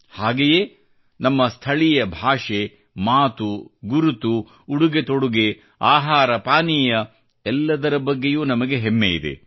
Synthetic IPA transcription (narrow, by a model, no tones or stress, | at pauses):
haːɡejeː | nɐmːɐst̪ʰɐɭijɐbʱaːʂe̞ | maːt̪uɡuɾut̪uː | ɽuɡe̞t̪o̞ɽuɡe | aːɦaːɾɐpaːnijɐ | ɛlːɐd̪ɐɾɐbɐɡːe̞juːnɐmɐɡe̞ɦemːejid̪ḛ